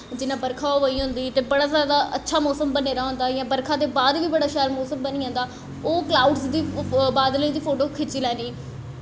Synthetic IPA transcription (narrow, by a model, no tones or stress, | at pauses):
d͡ʒɪnãːbəɾkʰaːoːʋaːiːɦʊ̃nd̪iːt̪eːbəɽaːzjaːd̪aːʔətːʃʰaːmɔːsəmbəneːɾaːɦʊ̃nd̪aːjãːbəɾkʰãːd̪eːbaːd̪ʋiːbəɽaːʃaːlmoːsəmbəniːãːnd̪aː | oːklaːuɖsd̪iːbaːd̪ləiːd̪iːpʰoːʈoːkʰɪt͡ʃiːlɛ̃ːniː